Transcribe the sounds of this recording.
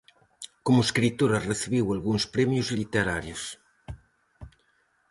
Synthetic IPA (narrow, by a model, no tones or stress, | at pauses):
komʊeskɾit̪oɾɐreθiβiwalɣuŋspɾɛmjʊzlit̪eɾaɾjʊs